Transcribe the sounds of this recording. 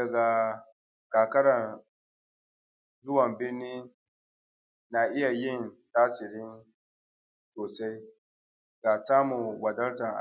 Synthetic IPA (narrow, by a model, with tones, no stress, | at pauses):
dɐ˨ɡa˨ | kaː˨kɐ˦ɽɐ˨n | zʊ˦wɐ˨mbɪ˦rniː˦ | na˨ʔɪ˦ja˨jɪ˦˨ntaː˦sɪ˨ɾɪ˦n | soː˨sa˦j | ɡaː˨saː˦mʊ˨ŋwɐ˨dɐ˦ltɐ˨ŋʔa̰˨